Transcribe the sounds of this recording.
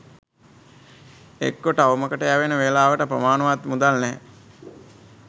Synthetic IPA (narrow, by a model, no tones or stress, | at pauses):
ḛkːoʈəaʋəməkəʈəjaʋenəʋelaːʋəʈəprəmaːnəʋat̪mud̪alnɛː